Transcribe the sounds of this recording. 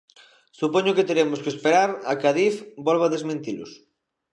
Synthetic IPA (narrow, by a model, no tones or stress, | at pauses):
supoɲoket̪eɾemʊskespeɾaɾakaðifbolβaðezmẽnt̪ilʊ̰s